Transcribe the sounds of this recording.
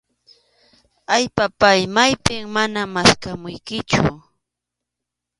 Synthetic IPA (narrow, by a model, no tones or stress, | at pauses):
aʎpapajmajpɪŋmanamaskamʊjkɪt͡ʃʊ̰